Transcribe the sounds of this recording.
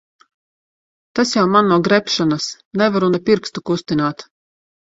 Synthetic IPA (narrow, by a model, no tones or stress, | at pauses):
t̪asjawmanːɔːɡɾɛpʃanas | nɛvaɾunɛpʲiɾkst̪ukust̪inaːt̪